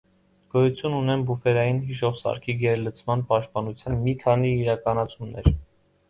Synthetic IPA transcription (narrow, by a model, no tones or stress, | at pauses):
ɡ̥ɔjut͡sʰjununɛnbufɛɾɑjinɦiʃ̬ɔʁsɑ̰ɾkʰiɡɛɾlət͡sʰmɑnpɑʃt̪̚pɑnut͡sʰjɑnmikʰɑniːɾɑkɑnɑt͡sʰumnɛ̰ɾ